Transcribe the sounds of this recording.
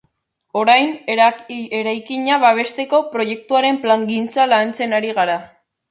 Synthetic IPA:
o̞ɾajn | eɾajkiɲaβaβ̞e̞st̪e̞ko̞pɾo̞je̞k̚t̪uaɾe̞mplaŋɡint͡salant͡se̞naɾiɣaɾa

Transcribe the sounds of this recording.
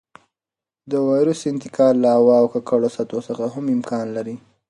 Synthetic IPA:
d̪əwɑjɾəsɪnt̪ɪkʰɑllːaawɑːwkakaɽosat̪osəxaɦamɪmkʰɑnlaɾi

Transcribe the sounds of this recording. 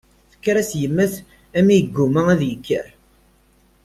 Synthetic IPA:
θə̥kːɾæsjəmːəθ | æmijəɡːumææðjəkːə̰ɾ

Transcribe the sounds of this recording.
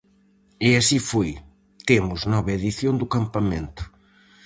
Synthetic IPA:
ɛasifoj | t̪emʊznɔβɐeðiθjond̪ʊkampɐmẽnt̪ʊ̥

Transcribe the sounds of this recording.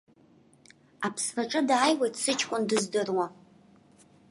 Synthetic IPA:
apʰsnaʈ͡ʂʼɨdaːjwe̞jtʰʼsɨt͡ʃʰkʷʼʊndɨzdɨrwa

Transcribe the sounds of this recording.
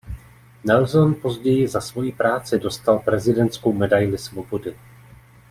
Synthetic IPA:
nɛlzonpo̞zɟɛjɪzasvo̞jipɾaːt͡sɪdo̞st̪alpɾɛzɪdɛnt̪sko̞wmɛdajlɪsvo̞bo̞dɪ

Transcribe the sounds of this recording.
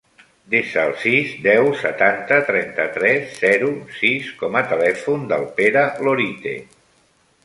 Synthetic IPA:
d̪eʃəːlˠsizd̪ɛwsət̪ant̪ət̪ɾɛnt̪ət̪ɾɛsːɛɾusiskɔmət̪əlɛfund̪əlˠpeɾəloɾit̪ḛ

